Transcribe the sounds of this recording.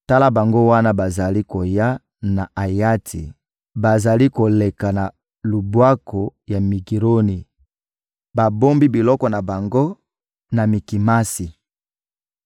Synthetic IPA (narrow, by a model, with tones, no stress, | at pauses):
ta˦la˦ba˨ŋɡo˦wa˦na˦ba˨za˨li˦ko˨ja˦ | na˨a˨ja˦tʰḭ˨ | ba˨za˨li˦ko˨le˨ka˨na˨ | lu˨bwa˦ko˨ja˨mi˨ɡi˨ʁo˦ni˨ | ba˨bo˦mbi˦bi˨lɔ˦kɔ˨na˨ba˨ŋɡo˦ | na˨mi˨ki˨ma˦si˨